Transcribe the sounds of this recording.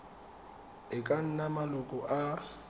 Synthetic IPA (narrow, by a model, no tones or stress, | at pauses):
ɪkʼan̩namalɔkʼɔʔa